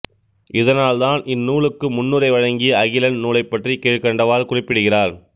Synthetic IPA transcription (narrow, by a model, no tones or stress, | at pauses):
ʔɪðɐnaːlðaːnʔɪnːuːɭɯkːɯmʊnːɯrɐɪʋɐɻɐŋɡɪjɐɐɣɪlɐnnuːlɐɪpːɐʈrikeːʈkɐɳɖɐʋaːɾkʊrɪpːɪɽɯɣɪraːɾ